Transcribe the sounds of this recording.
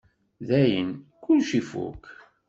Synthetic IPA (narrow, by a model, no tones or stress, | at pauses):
ðæjənkʊlʃifṵk